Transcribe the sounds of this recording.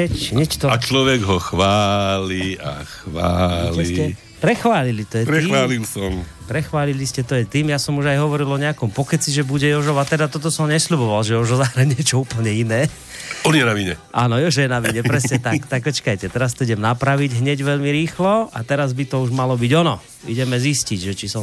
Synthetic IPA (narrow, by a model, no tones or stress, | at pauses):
ɛcɲɛt͡ʃt̪ɔat͡ʃlɔʋɛɡɦɔxʋaːlia̰xʋaːlɛiɛ | pɾɛxʋaːlilit̪ɔjɛpɾɛxʋaːlilsɔm | pɾɛxʋaːliliscɛt̪ɔjɛt̪iːmjasɔmuʒajɦɔʋɔɾilɔɲɛakɔmpɔkɛt͡siʒɛbuɟɛjɔʒɔʋat̪ɛd̪at̪ɔt̪̬ɔsɔmɲɛsʎubɔʋalʒɛjɔʒɔzaxɾɛɲɛɛt͡ʃɔuːpl̩ɲɛinɛː | ɔniɛnaʋiɲɛʔaːnɔjɔʒɛjɛnaʋiɲɛpɾɛsɲɛt̪akt̪akpɔt͡ʃkajcɛt̪ɛɾast̪ɔiɟɛmnapɾaʋiɟɦɲɛɟʋɛʎmiɾiːxlɔat̪ɛɾazbit̪ɔuʒmalɔbiɟɔnɔ | ḭɟɛmɛzisciɟʒɛt͡ʃisɔ